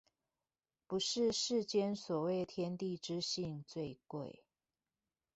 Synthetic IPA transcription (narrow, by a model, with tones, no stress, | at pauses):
pu˨˦ʂɻ̩˥˧ʂɻ̩˥˨t͡ɕjɛ˥nswɔ˨˩we˥˩ɪt̪ʰjɛ˦nt̪i˥˨ʈ͡ʂɻ̩˦ɕi˥˨ŋt͡swe˥˧ɪkwe˥˨˩ɪ